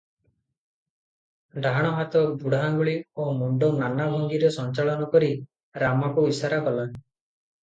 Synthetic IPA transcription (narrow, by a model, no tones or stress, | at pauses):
ɖʱaɽ̃ɔɦat̪ɔbuɽʱaɡuɭiomuɳɖonanabʱɔŋɡiɾesɔnt͡ʃaɭɔnɔkɔɾi | ɾamakuisaɾaɡɔla